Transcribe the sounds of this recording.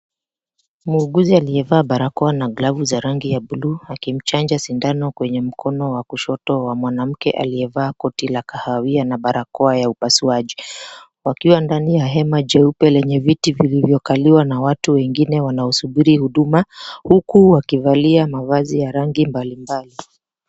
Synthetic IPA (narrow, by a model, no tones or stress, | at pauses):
muːɡuzialiɛvaːɓaɾakɔanaɡlavuzaɾaŋɡijaɓuluakim̩t͡ʃand͡ʒasindanɔkwɛɲɛm̩kʰɔnɔwakuʃɔtɔwamwanam̩kɛʔa̰liɛvaːkɔtilakahawianaɓaɾakɔajaupasuaʄi | wakiwandanijaɦɛmad͡ʒɛupɛlɛɲɛvitivilivjɔkaliwanawatuwɛŋɡinɛwanaɔsuɓiɾihuɗumahukuwakivaliamavazijaɾaŋɡimbalimbali